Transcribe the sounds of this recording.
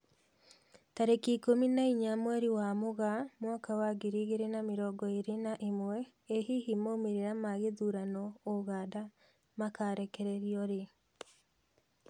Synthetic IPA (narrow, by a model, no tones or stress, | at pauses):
taɾekikominaiɲamwɛɾiwamoɣamwaːkawaɡiɾiɣeɾenamiɾɔɡɔeɾenaʔemwɛ | eɦihimomeɾeɾamaɣeðuɾanɔoɣaːda | makaɾɛkɛɾɛɾiɔɾe